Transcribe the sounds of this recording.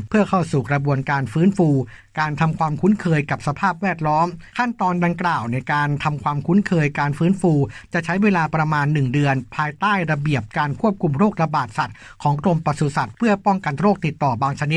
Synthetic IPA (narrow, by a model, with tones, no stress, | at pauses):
pʰɯ˥˩ɐkʰɔː˥˩wsuː˨˩kɾa˧bu˧ənkaː˧nfɯː˦˥nfuː˧ | kaː˧nt̪ʰa˧mkʰwaː˧mkʰu˦˥nkʰɤː˧jka˨˩p̚sa˧pʰaː˥˩p̚wɛː˥˩t̪̚lɔː˦˥mkʰa˥˩nt̪ɔː˧nda˧ŋklaː˨˩wna˧jkaː˧nt̪ʰa˧mkʰwaː˧mkʰu˦˥nkʰɤː˧jkaː˧nfɯː˦˥nfuː˧t͡ɕa˨˩t͡ɕʰa˦˥jweː˧laː˧pɾa˧maː˧nːɯ˨˩ŋdɯ˧ənpʰaː˧jt̪aː˥˩jɾa˧bi˨˩əp̚kaː˧nkʰu˥˩əp̚kʰu˧mɾoː˥˩k̚ɾa˧baː˨˩t̪̚sa˨˩t̪̚ | kʰɔː˩˦ŋklo˧mpa˧˩su˧˩sa˨˩t̪̚pʰɯ˥˩əpɔ˥˩ŋka˧nɾoː˥˩k̚t̪i˨˩t̪ːɔː˨˩baː˧ŋt͡ɕʰa˧ni˦˥t̪̚